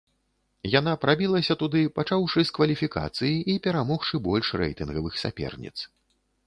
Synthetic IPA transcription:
janapɾabʲilˠɐsʲɐt̪ud̪ɨpat͡ʂawʂɨskvɐlʲifʲika̰t̪sɨjiʔipʲɛɾamɔxʂɨbɔlʲʂrɛ̰jt̪ɨnɣɐvɨxsʲa̰pʲɛ̰rnʲḭt̪s

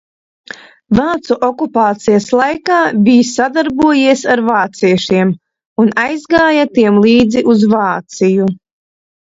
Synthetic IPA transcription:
vaːt̪suʔɔkupaːt̪sijaslˠajkaːbʲijsad̪aɾbuɔjiɛsaɾvaːt̪siɛʃiɛm | unajzɡaːjat̪iɛmlˠiːd̪ziʔuzvaːt̪siju

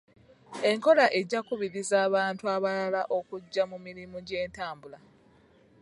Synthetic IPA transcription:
e̞ŋko̞laʔe̞ɟakuβiɾizaːβaːntuaβalalaʔo̞kuɟːamumiɾimuɟe̞ːntaːmbula

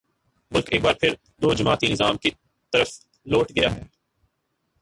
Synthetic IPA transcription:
mʊlkeːk̚baːɾpʰɪɾ | d̪oːd͡ʒɐmaːt̪inɪzaːmki | t̪ɐɾəf | loːʈʰɡɐja̰ɦɛː

